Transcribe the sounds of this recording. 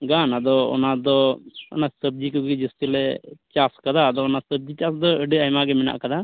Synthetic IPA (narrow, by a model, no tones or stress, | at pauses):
ɡanad̪ɔɔ̰nad̪ɔɔ̰nasəb̚d͡ʒikɔɡid͡ʒəstilɛt͡ʃaskad̪aːd̪ɔːnasəb̚d͡ʒit͡ʃasd̪ɔəɖəajmaɡɛmɛna̰ʔkad̪a